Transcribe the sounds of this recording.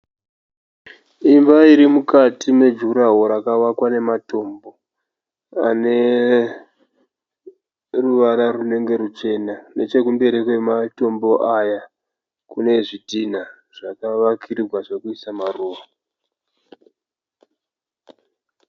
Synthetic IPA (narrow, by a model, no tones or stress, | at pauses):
imbaiɾimukatime̞d͡ʒuɾaɦo̞ɾakaʋakwane̞mato̞mbo̞ | a̰ne̞ | ruʋaɾarune̞ŋɡe̞ɾut͡ʃe̞nane̞t͡ʃe̞kumbe̞ɾikwe̞mato̞mbo̞ʔaja | kune̞ʐidʱina | ʐ̥akaʋakʰiɾirwaʐokuisamaruːʋa